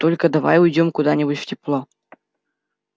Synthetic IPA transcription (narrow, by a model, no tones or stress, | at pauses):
t̪olʲkəd̪ava̰jujdʲomkud̪anʲɪbutʲftʲiplˠo